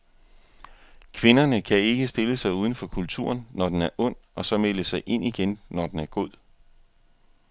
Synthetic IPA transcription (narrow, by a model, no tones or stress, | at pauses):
kʰʋe̝nɐnəkʰæe̝ɡ̥əsd̥e̝ləsɑ̈ɪuːð̞ˠən̩fɒ̽kʰult͡sʰṵɐnːɒd̥enæɐʔɔ̽n̰ɒ̽sɒ̽meləsɑ̈ɪʔe̝n̰ʔiɡ̥enːɒd̥enæɐɡ̥ɔð̰ˠ